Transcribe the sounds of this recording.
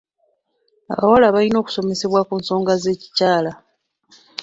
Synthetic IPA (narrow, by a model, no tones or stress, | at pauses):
a̰βa̰walaβalino̞ːku̥so̞me̞se̞βwakuːnso̞ːŋɡaze̞ːci̥caːla